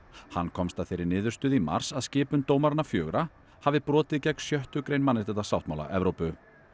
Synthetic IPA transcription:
ha̰nːkʰɔmst̪aðθejɾɪɾnɪːðʏ̥ɾst̪ʏːðima̰r̥saðscɪːpʏmt̪oːwmaɾnafjœːɣɾa | havɪpɾɔːt̪ɪðcɛkn̥sjœht̪ʏkɾejnmanːɪst̪ɛt̪asawht̪ma̰wla̰ʔɛvɾowpʏ

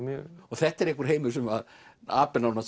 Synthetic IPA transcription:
mjœ̰ɔɣθɛht̪ːɛɾehkvʏɾ̥ɦeːjmʏ̥sɛmað | aːpɪnaɾna

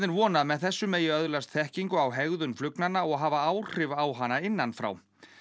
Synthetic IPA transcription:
ðɪnvɔːnaðmɛðθɛsːʏmeːjʏœðlast̪θɛhciŋkʏawɦɛɣðʏnflʏknanːaɔɣɦaːvaaːwr̥ɪvawɦanːaɪnːanfɾa̰w

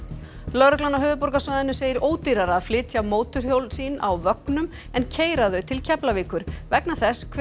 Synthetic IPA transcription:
lœɾʏklanaɦœːvʏpɔɾkasvaðɪnːʏseːjɪɾoːwt̪iɾaɾaðflɪːt̪sjawmoːwt̪ʏɾ̥hjowlsiːnawvœknʏm | ɛncʰeːjɾaðœɥt̪ʰɪlcʰɛplaviːkʏɾ̥vɛknaθɛskʰ

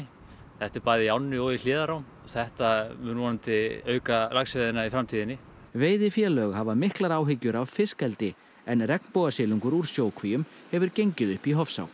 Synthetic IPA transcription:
θɛht̪ɪɾpaːðɪawnːɪɔɣil̥ɪːðaɾawm | θɛht̪amnvɔːnant̪ɪœːɥkalaksvɛðɪnaifɾamt̪ʰiːðɪnːɪ | veːjðɪfjɛːlœɣɦavamɪhklaɾaːwɦɪcʏɾavfɪskɛlt̪ɪ | ɛnrɛknpoːwɣasɪːlyŋkʏɾuɾ̥sjoːwkʰvijʏmhɛvʏɾcejɲcɪðʏhpiɦɔfsa̰w

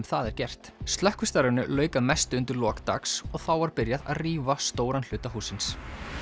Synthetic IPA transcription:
mθaðɛɾ̥cɛr̥t̪st̪lœhkʏst̪aɾʏnʏlœːɥkaðmɛst̪ʏnt̪ɪɾlɔːkt̪a̰ksɔɣθawvaɾpɪɾjaða̰ðriːvast̪oːwɾanl̥ʏːt̪aɦuːsɪns

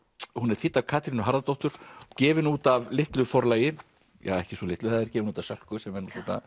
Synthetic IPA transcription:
hunɛɾ̥θɪːt̪avkʰaːt̪ɾɪnʏɦaɾðat̪ɔht̪ʏɾ̥cɛːvɪnuːt̪avlɪht̪lʏfɔɾlaːjɪ | jɛ̰ɛhcɪsvɔlɪht̪lʏθaðɪɾcɛːvɪnuːt̪avsœl̥kʏsɛmɛɾnusɔːt̪na̰

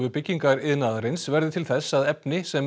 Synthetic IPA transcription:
vʏpɪcːiŋkaɾɪðnaːðaɾɪnsvɛɾðɪt̪ʰɪlθɛsːaðɛpnɪsɛm

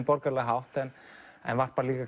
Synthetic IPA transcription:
pɔɾkaɾlɛɣɦawht̪ɛnɛ̰nvar̥paːɾaliːkak

